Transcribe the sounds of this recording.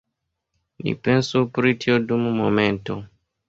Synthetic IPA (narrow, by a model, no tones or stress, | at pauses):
nḭpensupɾitʰiodumumomento